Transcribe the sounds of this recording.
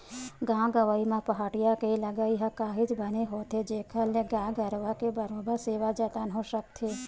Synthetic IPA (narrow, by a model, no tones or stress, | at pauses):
ɡãːɡəʋaimãpəɦaːɽijakeiləɡaiɦãkaːɦid͡ʒbəneɦot̪ʰed͡ʒekʰaleɡãːɡəɾʋakebəɾõbəɾseːʋad͡ʒət̪anɦõʃək̚t̪ʰe